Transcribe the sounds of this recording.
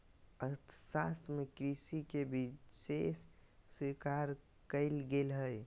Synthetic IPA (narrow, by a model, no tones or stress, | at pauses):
əɾt̪ʰsast̪ʰmekɾisikebisesːwikaɾ | kəɪlɡelɦəj